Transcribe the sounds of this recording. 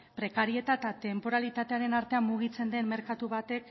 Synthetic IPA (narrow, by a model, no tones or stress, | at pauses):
pɾe̞kaɾie̞t̪at̪at̪e̞mpo̞ɾalit̪at̪e̞aɾe̞naɾt̪e̞ammuɣ̞it͡se̞nd̪e̞nme̞ɾkat̪uβ̞at̪e̞k